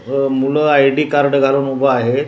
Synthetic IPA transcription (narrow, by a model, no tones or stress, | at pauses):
muləajɖiːkaɾɖɡʱaluːnubəaɦe